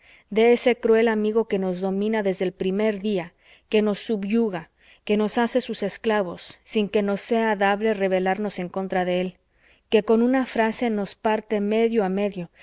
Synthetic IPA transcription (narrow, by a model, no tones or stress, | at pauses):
d̪eese̞kɾwe̞lamiɣo̞ke̞no̞zðo̞mĩnaðe̞zðeːlpɾime̞ɾðia | ke̞no̞sːuβʝuɣa | ke̞no̞sase̞suse̞sklaβo̞sːiŋke̞no̞se̞aðaβle̞re̞βe̞laɾno̞se̞ŋko̞nt̪ɾaðe̞el | ke̞ko̞nunafɾase̞no̞spaɾt̪e̞me̞ðjo̞ame̞ðjo̞